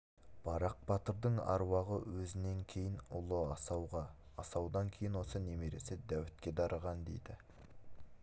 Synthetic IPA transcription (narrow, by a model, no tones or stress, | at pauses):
b̥ɑɾɑq̚bɑt̪əɾd̪əɴɑ̰ɾwɑʁəwɵzɪne̞ŋkʲʰe̞jɪnʊlˠəɑsɑwʁɑː | sɑwd̪ɑŋkʲʰe̞jɪnwo̞sənemeɾe̞sɪd̪æwɪt̪̚kʲe̞d̪ɑɾəʁɑnd̪e̞̰jd̪ɪ